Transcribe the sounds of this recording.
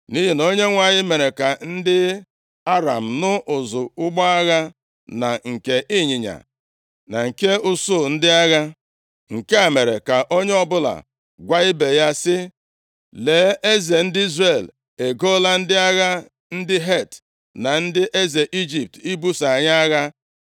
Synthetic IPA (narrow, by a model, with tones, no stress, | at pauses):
ni˦ɦi˨no˦ɲe˦ŋʷa˨ɲɪ˦me˨ɾe˨ka˨n̩˦dɪ˦ | a˦ɾa˨m̩˨nʊ˦ʔʊ˨zʊ˨ʊ˦ɡ͡bɔ˦a˦ɣa˦ | na̰˨ŋ̩˨ke˨ʔi˦ɲi˨ɲa̰˨ | na˨ŋ̩˨ke˦ʊ˦sʊ˦˨n̩˦dɪ˦a˦ɣa˦ | ŋ̩˨ke˦a˨me˨ɾe˨ka˨ʔo˦ɲe˦ɔ˦bʊ˦la̰˨ | ɡʷa˦ɪ˦be˨ja˦sɪ˦ | leː˨˦ʔe˦ze˨n̩˦dɪ˦i˦zre˨l | e˨ɡo˦la˦n̩˦dɪ˦a˦ɣa˦ | n̩˦dɪ˦ɦe˦˨t | na˨n̩˦dɪ˦ʔe˦ze˨ʔi˦d͡ʒi˨p̚ti˦bu˦sa˨ɲa˦a˦ɣa˦